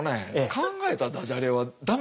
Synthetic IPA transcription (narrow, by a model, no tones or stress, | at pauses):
neːkãŋɡae̞t̪ad̪aʑaɾeβad̪am